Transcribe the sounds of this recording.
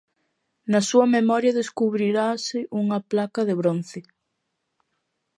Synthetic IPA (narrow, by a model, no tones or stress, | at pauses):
nɐsuɐmemɔɾjɐðeskuβɾiɾasɪʔuŋaplakɐðeβ̞ɾon̟θe